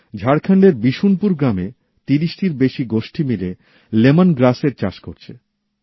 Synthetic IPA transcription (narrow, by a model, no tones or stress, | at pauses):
d͡ʑʱaɽkʰaɳɖeɾbiʃunpuɾɡɾame | t̪iɾiʃʈiɾbeʃiɡoʃʈʰimile | lemanɡɾaseɾt͡ɕaʃkoɾt͡ɕʰe